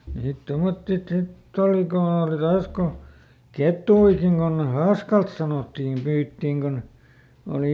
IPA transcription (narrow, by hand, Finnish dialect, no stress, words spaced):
niːt tomotːi sitː oli kon oˑli tɑːs ko ketˑuikiŋ kon hɑːskɑlt sɑnotːiːm pyːtːiːŋ kon oli